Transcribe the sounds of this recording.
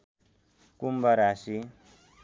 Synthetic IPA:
kumbʌɾasi

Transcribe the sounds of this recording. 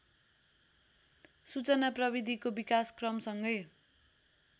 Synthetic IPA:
sut͡sʌnaprʌbid̪ʱikobikaskrʌmsʌŋɡʌj

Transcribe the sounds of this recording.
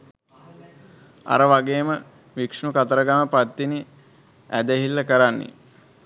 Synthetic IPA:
a̰ɾəʋaɡeːmə | ʋikʂnukat̪əɾəɡaməpat̪ːini | æ̰d̪əɦilːɐkəɾanːḛ

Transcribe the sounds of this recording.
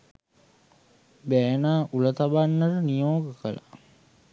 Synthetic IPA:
bɛːnaːʔulət̪abanːəɾənijoːɡəkəla

